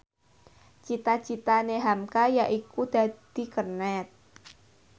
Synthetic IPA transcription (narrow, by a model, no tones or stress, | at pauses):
t͡ʃit̪at͡ʃit̪aneɦamkajaʔikud̪̥a̤d̪̥i̤kərnɛt̪̚